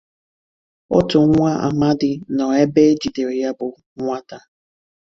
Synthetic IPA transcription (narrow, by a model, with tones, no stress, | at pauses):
ʊ˦tʊ˨˦ŋʷa˦ʔa̰˨ma˦dɪ˨nɔ˨e˦be˦d͡ʒi˨de˨ɾja˦bʊ˨ | ŋʷa˦ta˦